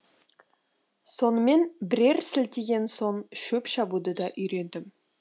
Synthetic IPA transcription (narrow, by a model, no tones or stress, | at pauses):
so̞nəme̞nbɪɾe̞ɾsɪlt̪eɡʲe̞nso̞ɴʃɵpʃɑbud̪əd̪ɑʔʏjɾe̞nd̪ɪm